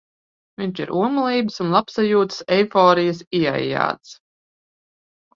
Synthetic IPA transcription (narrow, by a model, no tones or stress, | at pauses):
viɲʲt͡ʃiɾʔuɔmulˠiːbəsunlˠapsajuːt̪ə̥sɛjfɔːɾijəsia̰ja̰ːt̪s